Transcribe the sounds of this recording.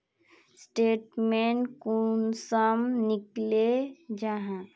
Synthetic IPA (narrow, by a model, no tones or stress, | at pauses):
sʈeːʈmẽːɳʈkunsəmnɪkled͡ʒaɦã